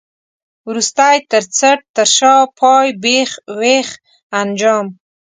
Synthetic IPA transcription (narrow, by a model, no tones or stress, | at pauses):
wɾust̪ajt̪əɾt͡səʈ̚t̪əɾʃɑpʰɑjbexweχ | and͡ʒɑm